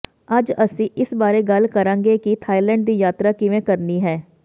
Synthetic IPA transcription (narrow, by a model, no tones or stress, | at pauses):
ɐd͡ʒəsĩːʔɪsbaːɾeɡəlkəɾãːŋɡekit̪ʰaːilɛ̃ːɳɖd̪iːjaːt̪ɾaːkɪʋẽkəɾniːɦɛː